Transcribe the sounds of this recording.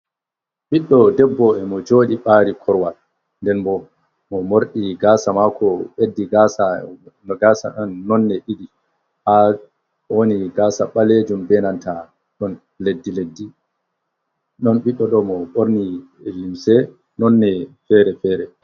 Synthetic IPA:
ɓiɗːɔdɛbːɔɛmɔd͡ʒoːɗiɓaːɾikʰɔɾwal | ndɛnbɔ | mɔmoɾɗiɡaːsamakʰɔɓedːiɡaːsaɡaːsaɗɔnːɔnːɛʔiɗi | ha | woniɡaːsaɓaled͡ʒumbɛnanta | ɗɔn | ledːiledːi | ɗɔnɓiɗːɔɗɔmɔɓoɾni | limsɛ | nɔnːɛfɛːɾɛfɛːɾɛ

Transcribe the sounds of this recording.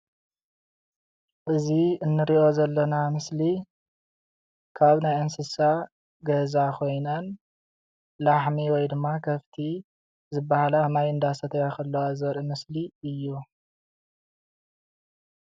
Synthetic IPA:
ʔɨziɨnːɨɾiʔo̞zɐlːɐnamɨsli | kʰaβnajɐnsɨsa | ɡɐzakʰo̞jnɐn | laħmiwɔjd̪ɨmːakʰɐft̪ʰi | zɨbːahalamajɨnd̪asʰɐt̪ʰɐjakʰɐlːɐwazɐɾʔɨmɨsliɨjːu

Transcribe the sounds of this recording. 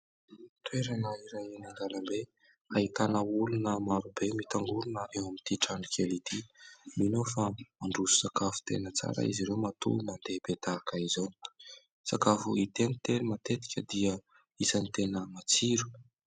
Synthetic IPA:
t̪weɾanaiɾajinaŋɡ̪alambe | aɦit̪anəulunəmaɾubemit̪aŋɡulunəɾewamint̪iʈ͡ʂanikʰelit̪iminofamaɳɖ͡ʐuzu̥sakafu̥t̪ḛnət͡sa̰ɾə̰iziɾewmat̪ṵmand̪ebet̪akaizoni̥ | sakafuit̪enit̪enimat̪et̪i̥kʲəd̪iə | izanit̪enəmat͡siɾu̥

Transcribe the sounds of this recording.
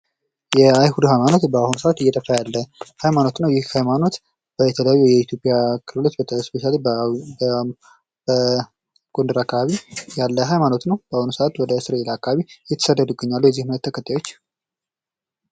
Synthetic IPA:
jɛajhud̪uhajmano̞t̪bəahunusəʔat̪ɨjːɛt̪ʼəfajalːəhajmano̞t̪nəwjɪhhajmano̞t̪ | b̥əjɛt̪ʰələjajːujɛit̪ʰjo̞pʼijakʰɨlɨlot͡ʃ̪bət̪ʰəspe̞ʃale | ɡ̥o̞nd̪ɨɾakːaβaβijalːəɦajmano̞t̪nəwbəahunusəʔat̪wɔd̪əsɨɾelaakːaβaβijɛt̪ʰə̥səd̪ːəd̪uɡəɲːalːujɛzːihmɨnət̪ːʰəkʰət̪ʰːajo̞t͡ʃː

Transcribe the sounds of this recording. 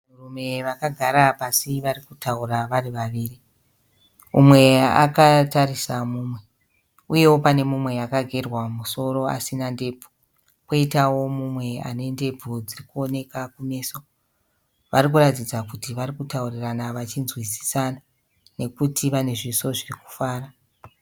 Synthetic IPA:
urume̞ʋakaɡʱaɾapasiʋarikutauraʋariʋaʋiːri | umwe̞a̰katarisamuːmwe̞ | uje̞wo̞pane̞mumwe̞jakaɡʱe̞rwamuso̞ɾo̞a̰sinande̞ːbʱu̥ | kwoitawo̞mumwe̞a̰nende̞bʱud͡zirikuo̞ne̞kakume̞ːso | ʋaɾik̬uratid͡zakutiʋarikutauriranaʋat͡ʃinzwisi̥sana | ne̞kutʰiʋane̞ʐiso̞ʐiriku̥faːra

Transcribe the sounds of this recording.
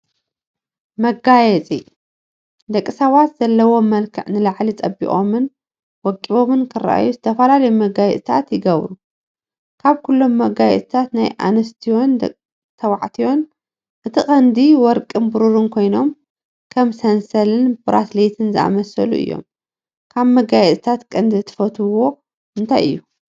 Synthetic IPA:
mɐɡajɛt͡sʼḭ | d̪ɐkʼːisɐβat̪z̥ɐlːɐwo̞mɐlkʰɨ̰ʕnɨlaʕlit͡sʼɐbːḭχʼo̰mɨn | wɔkʼːiβo̞mɨnkʰɨrːa̰ʔa̰juzɨt̪ʰɐfɐlalɐjumɐɡajɛ̰t̪ʼt̪ʰa̰t̪jɪɡɐβɾu | kʰaβkʰulːo̞mːɐɡajɛ̰t̪ʼt̪ʰat̪najʔa̰nɐst̪ʰio̞nd̪ɐ̰ | t̪ʰɐwaʕt̪ʰiwo̞n | ʔɨt̪ʰɨχʼɐnd̪iwɔɾkʼɨnbɨɾuɾɨnkʰo̞jno̞m | kʰɐmsɐnsɐlɨnbɨɾa̰t̪let̪ʰɨnzɨʔa̰mɐsɐlṵʔɨ̰jːo̞̰m | kʰaβmɐɡajɛt̪ʼɨt̪ʰat̪kʼɐnd̪ɨt̪ʰɨ̥fɐt̪ʰɨwo̞ | ʔɨnt̪ʰa̰jɨ̰jːu

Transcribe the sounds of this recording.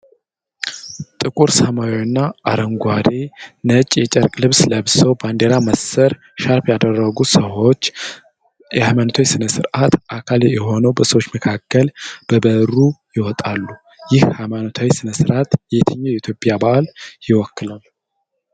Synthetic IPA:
t̪ʼɨkʼuɾsəmajwnːaʔaɾəŋɡʷad̪e̞nət͡ʃʼjɛt͡ʃʼɛɾkʼlɨβsləβsəwband̪eɾaməsəɾ | ʃaɾpjad̪ərːəɡusəwot͡ʃː | ɛhajmanot̪ʰawisɨnəsɨɾʔat̪ʔakʰaljɛho̞nəwbəsəwot͡ʃːməkʰakːəlb̥əbərːujɪwɔt̪ʼalːu | jɪhhajmanot̪ʰawisɨnəsɨɾʔat̪jɛt̪ʰəɲːojɛit̪jo̞pʼjabaʔaljɪwɔkːɨlalːu

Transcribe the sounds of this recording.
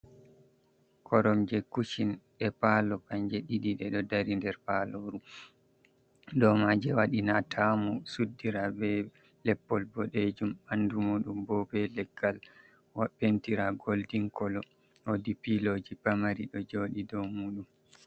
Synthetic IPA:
kʰɔɾɔmd͡ʒɛkuʃinɗɛpalɔkaɲd͡ʒɛɗiɗiɗɛɗɔdaɾindɛɾpalɔɾu | dɔmad͡ʒɛwaɗinatʰamusudːiɾabɛ | lɛpːɔlbɔɗed͡ʒumandumuːɗumbɔbɛlɛɡːal | waɓentiɾaɡoldiŋkɔlɔ | wodipilod͡ʒipamaɾiɗɔd͡ʒoɗidɔmuːɗum

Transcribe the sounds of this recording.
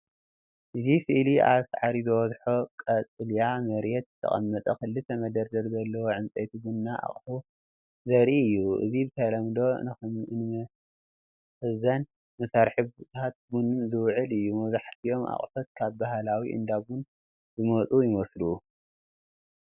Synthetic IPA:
ʔɨzifɨʔliʔa̰βsʕaɾizɨwɔzħokʼɐt͡sʼɨljamɐɾjɛt̪̚t̪ʰɐ̰χʼɐ̰mːɐt̪ʼɐkɨlːɨt̪ʰɐmɐd̪ɐɾzɐɾzɐlːɐwoʕɨnt͡sʼejt̪ʰiɡunːaʔa̰χʼħu | zɐɾiɨjːuʔɨ̰zibɨt̪ʰɐlɐmd̪o̞ | ɨzɐn | mɐsaɾħɨβt̪ʰat̪̚ɡunzɨwʕɨlɨjːumɐwzaħt̪ʰijo̞ma̰χʼfɐt̪̚kʰaβbaɦlawiʔɨ̰nd̪aβun | zɨmɐt͡sʼujɪmɐslu

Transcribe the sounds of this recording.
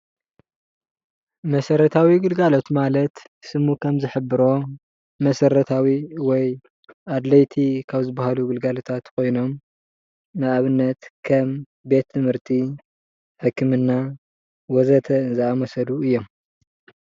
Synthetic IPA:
mɐsɐɾɐt̪ʰawiɡɨlɡalo̞t̪malɐt̪ | sɨmukʰɐmzɨħɨbɨɾo̞ | mɐsɐɾɐt̪ʰawiwɔj | ʔad̪lɐjt̪ʰikʰaβzɨbahaluɡɨlɡalo̞t̪ʰat̪kʰo̞jno̞m | nɨʔaβɨnːɐt̪kʰɐm | be̞t̪ʰːɨmhɨɾt̪ʰi | ħɨkːɨmɨnːa | wɔzɐt̪ʰɐɨnzɨamɐsɐluɨjːo̞m

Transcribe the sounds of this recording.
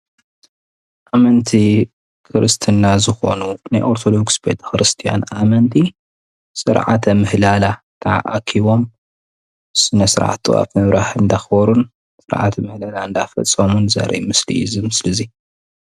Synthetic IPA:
ʔamɐnt̪ʰi | kʰɨɾʔɨst̪ʰɨnːazɨxo̞̰nunajʔoɾt̪ʰod̪o̞ɡsbe̞t̪ʰɐ̥xɨɾɨst̪ʰija̰namɐnt̪ʰi | sʼɨ̰ɾʕa̰t̪ʰɐmɨhlala | t̪ʰaʕaʔakʰiβo̞m | sɨnɐsɨɾʕa̰t̪ɨ̰a̰fmɨβɾaħɨnd̪axbɐɾun | sʼɨɾʕa̰t̪ʰmɨhlalaɨnd̪afɐ̰t͡sʼːɐmunzɐ̰ɾʔḭmɨslḭizɨmɨslɨzi

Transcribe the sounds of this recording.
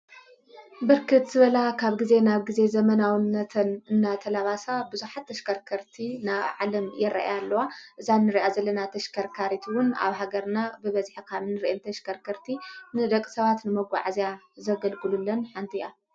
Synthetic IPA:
bɨɾkʰɨt̪z̥ɨβɐlakʰaβɡize̞naβɡize̞zɐmɐnawnːɐt̪ʰɐnɨnːat̪ʰɐlaβasabɨzuħat̪ʰːɐʃkʰɐɾkʰɐɾt̪ʰinaβʕalɐmjɛɾɐ̰ʔa̰jalːɐwaʔɨzanːɨɾiʔazɐlːɐnat̪ʰɐʃkʰɐɾkʰaɾit̪ʰwʊna̰βɦaɡɐɾnabɨβɐzħikʰaβɨnɨɾiʔɛnt̪ʰɐʃkʰɐɾkʰɐɾt̪ʰinɨd̪ɐkʼːɨ̥sɐβat̪nɨmɐɡʷa̰ʕazjazɐɡɐlɡɨlulːɐnħant̪ʰija

